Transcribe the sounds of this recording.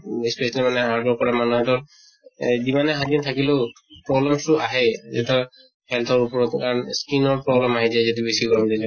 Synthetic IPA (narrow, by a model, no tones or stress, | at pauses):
ispesalimanɛɦaɹdɔɹkɔɹamanuɦɛtɔɹ | zimanɛɦaɡintʰakileʊ | pɹɔblɛmsʊʔaɦɛzɛtɔ | hɛlt̪ʰɔɹupɔɹɔtkaɹɔnskinɔɹpɹɔblɛmaɦɛdajzɔtibesikɔɹɔmdizɛ